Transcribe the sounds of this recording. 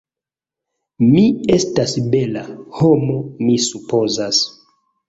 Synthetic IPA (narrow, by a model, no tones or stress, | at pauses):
miestasbe̞lahomo̞misupozas